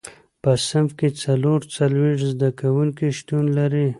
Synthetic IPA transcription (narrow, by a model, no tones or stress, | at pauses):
pəsɪmfket͡saloɾt͡salweʂzd̪akawuŋkiʃt̪unlaɾi